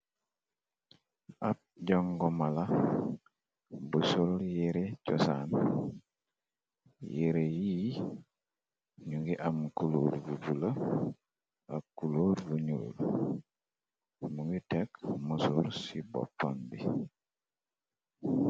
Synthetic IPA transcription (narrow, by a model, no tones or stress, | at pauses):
ap̚ɟɔŋɡɔmala | busuljeɾecɔsa̰n | jeɾeji | ɲuŋɡiʔamkuluːɾɡubulə | ʔakːuluːɾɡuɲṵːl | muŋɡitɛkmusuɾsibɔ̰pːanbi